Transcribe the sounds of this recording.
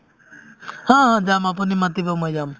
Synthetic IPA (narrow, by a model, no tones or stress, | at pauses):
hɔ̃ɦɔ̃d͡ʒamap̬unimat̪ibɔmɔd͡ʒam